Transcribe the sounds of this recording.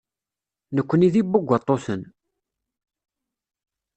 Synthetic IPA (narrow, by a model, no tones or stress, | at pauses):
nəkʷːəniðibːʊɡʷːət̪ˤːosən